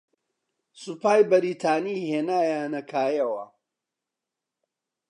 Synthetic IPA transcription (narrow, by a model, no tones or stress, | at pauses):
supaːjbɐɾiːt̪ʰaːniheːnaːjaːnɐkʰaːjɐwɐ̰